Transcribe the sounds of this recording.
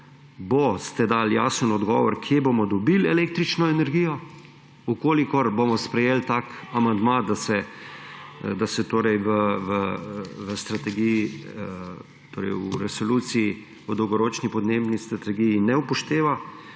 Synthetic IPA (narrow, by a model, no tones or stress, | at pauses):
bost̪ɛd̪aːlja̰ːsənɔd̪ɡɔ̰ːʋɔɾkʰjebomɔd̪ɔbilɛleːk̚t̪ɾit͡ʃnɔɛnɛɾɡiːjɔ | ukoːlikɔɾbomɔspɾɛjeːlt̪aːkamand̪mad̪asɛ | d̪asɛt̪oːɾɛjʋəʋəʋəst̪ɾat̪ɛɡiji | t̪o̰ːɾɛ̰juɾɛsɔluːt̪siji | əd̪ɔwɡɔɾoːt͡ʃnipɔd̪nebnist̪ɾat̪ɛɡijinɛupɔʃt̪eːʋa